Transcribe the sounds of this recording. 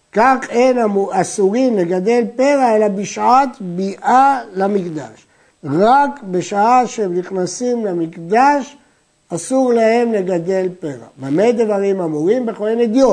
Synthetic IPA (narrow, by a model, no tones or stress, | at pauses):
kaχenamuasuʁimle̞ɡad̪e̞lpe̞ʁae̞labiʃʕat̪biʔalamikd̪a̰ʃ | ʁakbe̞ʃaaʃeemniχnasimlamikd̪aʃ | asuʁlahe̞mle̞ɡad̪e̞lpeʁa̰mamejd̪vaʁimamuʁimbeχojened̪jo